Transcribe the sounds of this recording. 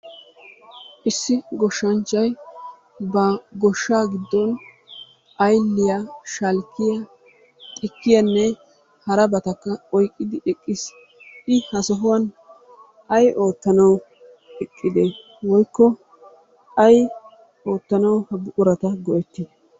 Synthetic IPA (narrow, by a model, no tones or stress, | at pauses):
ʔɪsːɪɡɔʃːɐnt͡ʃːɐj | bɐɡɔʃːaːɡɪd̪ːɔn | ʔɐjlːɪjaʃɐlkːɪjɐ | t̪ʼɪkːɪjɐnːɛ | hɐɾɐbɐt̪ɐkːɐɔjkʼːɪd̪ɪʔɛkʼːɪs | ɪhɐsɔɦʊwɐn | ʔɐjʔo̞ːt̪ːɐnɐw | ɛkʼːɪd̪ɛ | wɔjkːɔ | ɐj | ʔo̞ːt̪ːɐnɐwhɐbʊʔʊɾɐt̪ɐɡɔʔɛt̪ːɪ